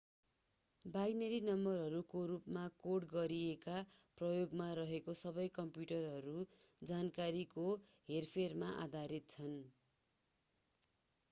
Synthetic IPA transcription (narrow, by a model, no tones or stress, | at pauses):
bajneɾinʌmbʌrɦʌɾukoɾupmakoɽɡʌɾiekaprʌjoɡmaɾʌɦekosʌbʌjkʌmpjuʈʌrɦʌɾu | d͡zankaɾikoɦerpʰermaʔa̰d̪ʱaɾit̪̚t͡sʰʌn